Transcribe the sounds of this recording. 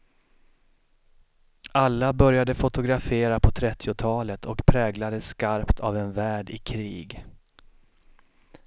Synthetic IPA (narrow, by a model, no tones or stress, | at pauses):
alːabœɾjad̪əfʊt̪ʊɡɾafeːɾapʰɔt̪ʰɾɛt̪ʰːɪʊt̪ʰɑːlət̪ʰɔkpʰɾɛːɡlad̪əskaɾpt̪ʰavɛnvæːɖɪkʰɾiːɡ